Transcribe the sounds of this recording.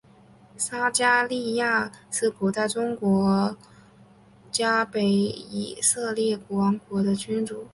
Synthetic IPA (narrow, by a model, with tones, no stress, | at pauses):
sa˥t͡ɕja˥li˥˧ja˥˩ʂɻ̩˥˩pʰu˨˩t͡sa˥˩ɪʈ͡ʂʊ˥ŋkwɔ˧˥ | t͡ɕja˥pe˧˥ɪḭ˨˩sɤ˥˧ljɛ˥˩kwɑ˧˥ŋkwɔ˧˥d̪ə˧t͡ɕy˥nʈ͡ʂu˨˩˦